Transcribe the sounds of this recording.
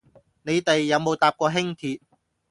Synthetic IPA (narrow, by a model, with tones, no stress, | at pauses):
ne˨˧jt̪e˨jːɐ˨˧wmo˨˧wt̪aː˨˧p̚kɔː˧ɦɪ˥ŋt̪ʰiː˧t̚